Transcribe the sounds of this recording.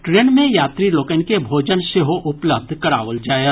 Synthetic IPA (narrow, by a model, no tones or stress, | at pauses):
ʈɾeːnmẽjaːt̪ɾiloːkənkebʱoːd͡ʒənseɦoʔʊpləb̚d̪ʱkɐɾa̰ːʋəld͡ʒaːja